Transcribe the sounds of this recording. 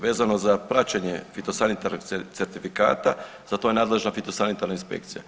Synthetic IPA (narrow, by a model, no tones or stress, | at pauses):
ʋe̞ːzano̞zapɾat͡ɕeɲefit̪o̞sanit̪aɾnokt̪e̞ɾt̪ifika̰ːt̪a | z̥at̪o̞jenaːd̪le̞ʒnafit̪o̞sanit̪aɾnainspḛk̚t̪sija